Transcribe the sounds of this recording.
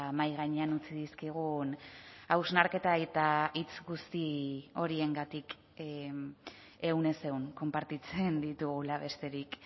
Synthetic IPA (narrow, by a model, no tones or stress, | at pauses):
majɣaɲeanut͡siðiskiɣ̞unawznaɾke̞t̪aet̪ait͡sɡust̪io̞ɾie̞ŋɡat̪ik | e̞wne̞se̞wŋko̞mpaɾt̪it͡se̞nd̪it̪uɣulaβe̞st̪e̞ɾik